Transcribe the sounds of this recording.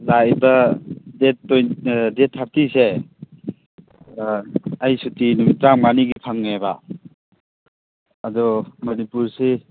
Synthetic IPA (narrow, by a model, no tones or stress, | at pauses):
lajbɐdetːojdetʰhap̚tise | ajsutinumitɾaŋmaniɡipʰaŋnaba̰ | dɔmɐnipuɾse